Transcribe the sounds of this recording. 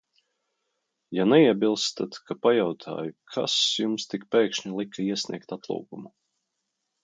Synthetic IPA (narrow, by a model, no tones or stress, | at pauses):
janɛiɛbilˠst̪at̪kʰapajawt̪ʰa̰ːjukʰa̰sjumst̪ikpɛːkʃɲilˠikːaiɛsʲnʲḭɛk̚t̪at̪lˠṵːkumu